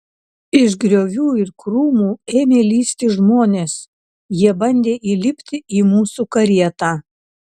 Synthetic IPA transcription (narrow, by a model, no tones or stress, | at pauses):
ɪʒɡɾʲoːʋʲuːɪɾkɾuːmuːeːmʲeːlʲiːsʲt̪ʲiʒmoːnʲeːs | jiɛbɐnʲd̪ʲeːʔiːlʲɪpʲt̪ʲɪʔiːmuːsukɐɾʲiɛt̪aː